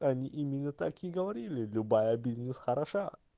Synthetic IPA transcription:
ɐnʲiʔimʲɪnːət̪akʲɪɡəvɐɾʲilʲɪlʲʊbajəbʲizʲnʲɪsxəɾɐʂa

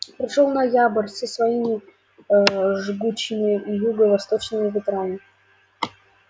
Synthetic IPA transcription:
pɾʲɪʂolˠnɐjabərʲsʲəsvɐimʲɪ | ʐɨɡut͡ɕːɪmʲɪjuɡəvɐst̪ot͡ɕnɨmʲɪvʲɪt̪ɾamʲɪ

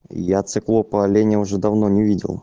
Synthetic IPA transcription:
jat̪sɨklˠopəlʲenʲəʊʐɛd̪ɐvnonʲɪvʲidʲɪ̰lˠ

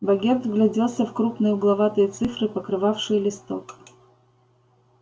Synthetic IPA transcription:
vɐɡʲet̪vɡlʲɛdʲelˠsʲəfkɾupnɨjʊɡlˠɐvat̪ɨjət̪sɨfɾɨpəkɾɨvafʂɨjlʲɪst̪ok

